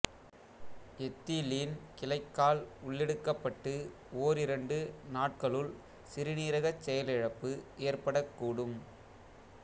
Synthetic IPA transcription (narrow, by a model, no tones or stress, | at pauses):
ɛt̪ːiliːnkɪlɐɪkːaːlʊɭːɛɽɯkːɐpːɐʈːɯ | oːɾɪɾɐɳɖɯnaːʈ̚kɐɭɯl | sɪɾɪniːɾɐɣɐt͡ʃːɛjɐlɪɻɐpːɯʔeːɾpɐɽɐkːuːɽɯm